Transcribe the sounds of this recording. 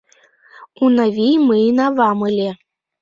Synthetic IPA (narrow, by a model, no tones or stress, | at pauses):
unavʲijmɨnavɑmɯlʲe